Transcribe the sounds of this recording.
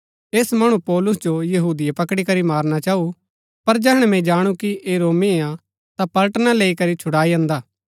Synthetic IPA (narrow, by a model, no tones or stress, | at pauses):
eːsmɐɽ̃upɔːlʊs̬d͡ʒojɐɦuːd̪ijapɐkɽikɐɾimaːɾnat͡ʃaːu | pɐɾd͡ʒɛɦɽ̃ɛmɛ̃d͡ʒaːɽ̃ukiʔeɾoːmieã | t̪apɐlʈnaleːikɐɾit͡ʃʰʊɽaːiɐ̃ːnd̪aː